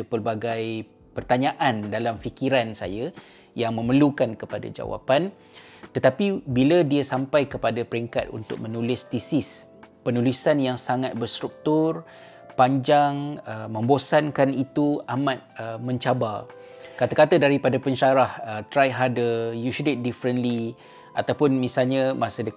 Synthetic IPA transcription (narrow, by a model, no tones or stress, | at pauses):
əpərbaɡaj | pərt̪aɲãʔandalamfikiɾansa̰ja | jaŋmə̃mərlukankəpada̰d͡ʒa̰wa̰pan | t̪ət̪apibiladiasampajkəpadapəɾiŋka̰t̪ṵnt̪ʊ̰k̚mənulɪst̪isɪs | pənulisanjaŋsaŋat̪̚bərst̪ɾuk̚t̪ʊr | paɲd͡ʒaŋəmə̃mbosankanit̪uamat̪̚əmə̃ɲt͡ʃaba | kat̪akat̪adaɾipadapəɲʃaɾahət̪ɾajɦadəjuʃudɪt̪̚difɾənli | ʔa̰t̪awpʊnmĩsalɲamasədə